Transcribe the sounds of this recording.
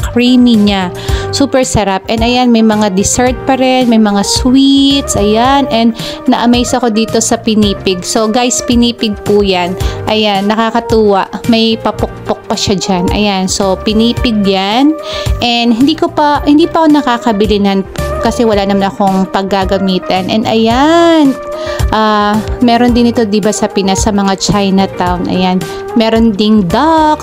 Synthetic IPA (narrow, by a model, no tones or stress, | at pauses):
kɹiːmiɲa | suːpɛɹsɐɾap̚ʔɛnɐjanmɐjmɐŋad̪ɪsɛɹt̪̚pɐɾɛnmɐjmɐŋaswit̪sʔɐjanɛnd̪ | nɐʔɐmejsɐko̞d̪iːt̪o̞sɐpɪniːpɪɡso̞ɡajspɪniːpɪɡ̚pujanʔɐjanːɐkaːkɐt̪uːwɐʔmɐjpɐpok̚pok̚pɐʃad͡ʒanʔɐ̰janso̞pɪniːpɪɡ̚janʔɛnd̪hɪnd̪iːkopɐhɪnd̪iːpɐʔkonɐkaːkɐbɪlɪnɐnpkɐsɛwɐlanɐmanɐko̞ŋpɐɡːaɡɐmiːt̪ɐnʔɛ̰nɐ̰jan | ʔamɛːɾond̪ɪnɪt̪o̞d̪ɪbasɐpɪnasɐmɐŋat͡ʃajnɐt̪awnʔɐ̰jan | mɛːɾo̞nd̪ɪŋd̪ak